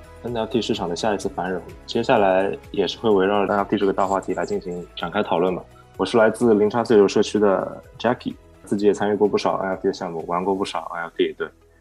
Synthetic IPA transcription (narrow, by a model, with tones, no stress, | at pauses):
ə˥na˧˥t̪ʰi˥˧ʂɻ̩ʰ˥˩ɑ˨˩ŋd̪ə˦ɕja˥˩i˧˥t͡sʰɹ̩˥˩fa˧˥nɻo˧˥ŋt͡ɕjɛ˥ɕja˥˩la˧˥ɪjɛ˨˩ʂɻ̩˥˧xwe˥˩ɪwe˧˥ɪɻɑ˥˩ln̚˥t̪ʰʈ͡ʂɤ˥˩ɡə˩t̪a˥˧xwa˥˩t̪ʰi˧˥la˧˥ɪt͡ɕi˥˩nɕi˧˥ŋʈ͡ʂa˨˩nkʰa˥ɪt̪ʰɑ˨˩ʊlwə˥˩nbɐ˩ | wɔ˨˩ʂɻ̩˥˩la˧˥ɪt͡sɹ̩˥˧li˧˥ŋʈ͡ʂʰa˥se˥˩ɪʈ͡ʂo˥˩ʊʂɤ˥˧˩t͡ɕʰy˥d̪ə̰˨ʈ͡ʂa˥kʰḭ˨˩˦ | t͡sɹ̩˥˩t͡ɕi˧˥jɛ˨˩t͡sʰa˥ny˥˧kwɔ˥˧pu˥˩ʂɑ˨˩ʊʔa̰˥t̪ʰi˥˩ə˩ɕjɑ˥˧ŋmu˥˩wa˧˥nkwɔ˥˧pu˥˩ʂɑ˨˩ʊʔa̰˥a˧˥ft̪ʰi˥˩jɛ˨˩t̪we˥˩ɪ